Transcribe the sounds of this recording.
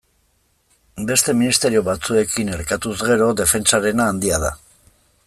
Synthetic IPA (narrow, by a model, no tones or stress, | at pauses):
be̞st̪e̞minist̪e̞ɾio̞βat͡sue̞kine̞ɾkat̪uzɣe̞ɾo̞d̪e̞fe̞nt͡saɾe̞naːnd̪iaða̰